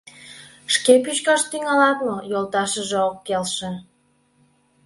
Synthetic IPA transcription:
ʃkepyt͡ɕkɑʃt̪yŋɑlɑt̪mojolt̪ɑʃəʒeokːelʃe

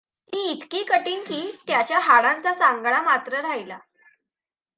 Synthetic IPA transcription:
miːt̪kiːkəʈiːnk̪iːt̪jat͡ɕjaɦaɭant͡sasaŋɡɳamat̪ɾəɾaɦjla

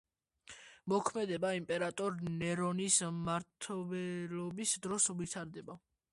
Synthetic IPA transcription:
mɔkʰmɛd̪ɛbaimpʼɛɾat̪ʼɔɾnɛɾɔnismaɾt̪ʰɔbɛlɔbisd̪ɾɔsvit̪ʰaɾd̪ɛba

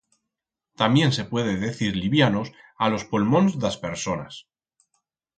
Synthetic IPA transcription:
t̪ambje̞nse̞pwe̞ðeðe̞θiɾliβjanos | alo̞spolmõ̞nzðaspe̞ɾso̞na̰s

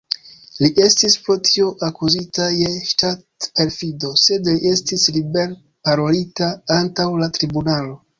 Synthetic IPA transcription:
liʔe̞stispɾotʰio̞ʔakuzitajeʃtatpe̞ɾfido̞se̞dliʔe̞stislibe̞ɾ | paɾo̞litaantawlatɾibunalo̞

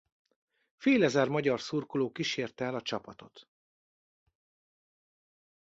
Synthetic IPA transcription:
feːlɛzɛrmɒɟɒrsurkoloːkiʃeːrt̪ɛɛlɒt͡ʃɒpɒt̪o̞̰t̪

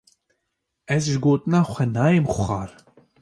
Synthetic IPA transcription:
ɛzʒɨɡoːt̪ɨnɑːxʷɛnɑːjemxʊxɑːɾ

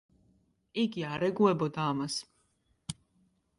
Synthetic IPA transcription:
iɡiaɾɛɡuɛbɔd̪aːmas

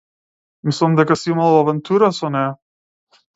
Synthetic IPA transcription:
mislˠamd̪ɛkasiimalˠavɛnt̪uɾasɔnɛja

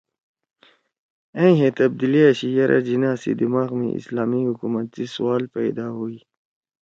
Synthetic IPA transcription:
ẽɦẽt̪ɐb̚d̪iliaɕijɐɾʔa̰d͡ʑinaːsḭd̪imaːɣmḭḭslaːmihukumɐt̪̚zisuwaːlpajd̪aːɦui

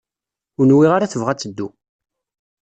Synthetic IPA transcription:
ʊnwiʁaɾaθəvʁæt͡sːəd̪ːu

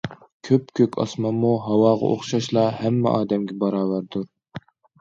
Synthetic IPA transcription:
kʲʰøp̚kʲʰøkʲʰɑ̰smɑmːuɦɑwɑːʁɑ̰ʔo̰χʃɑʃlˠɑhɛmːɛ̰ʔɑːd̪ɛmɡʲɛbɑɾɑːwæɾd̪uɾ

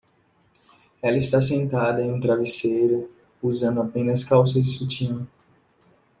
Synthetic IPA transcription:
ɛlɐist̪as̬ẽnt̪ad̪ɐẽj̃ũt̪ɾavisejɾʊ | uzɐ̃nd̪ʊapẽnɐskawsɐzd͡ʒɪsut͡ʃĩnʊ

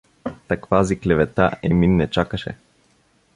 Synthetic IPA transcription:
t̪akvaziklɛvɛt̪aʔɛminːɛt͡ʃakəʃɛ̰

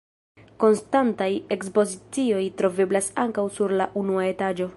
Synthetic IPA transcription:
ko̞nstantaje̞kspo̞zit͡sio̞jtɾo̞ve̞blasaŋkawsuɾlaʔunuae̞tad͡ʒo̞

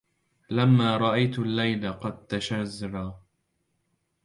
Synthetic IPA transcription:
lamːaːɾˤɑʔajt̪alːajlaqɑd̪̚t̪aʃazɾɑː

